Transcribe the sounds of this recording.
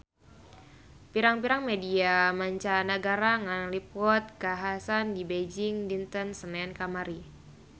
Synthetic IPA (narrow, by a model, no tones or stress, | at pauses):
piɾaŋpiɾaŋmediamaɲt͡ʃanaɡaɾaŋanlip̚ɔt̪̚kaɦasandibed͡ʒiŋdint̪ənsənɛnkamaɾi